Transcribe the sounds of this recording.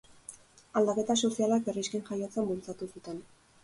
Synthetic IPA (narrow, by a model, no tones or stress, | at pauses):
ald̪ake̞t̪asosialak̚beriskenʝajot͡sembult͡sat̪usut̪e̞n